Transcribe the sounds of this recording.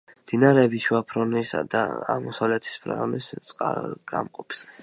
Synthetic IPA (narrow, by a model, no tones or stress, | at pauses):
md̪̥inaɾɛːbiʃuapʰɾɔnisa̰d̪a̰a̰mɔsavlɛt̪ʰi̥spʰɾa̰ʁnist̪sʼqʼa̰ɾ̰ɡ̥a̰mqʼɔpʰs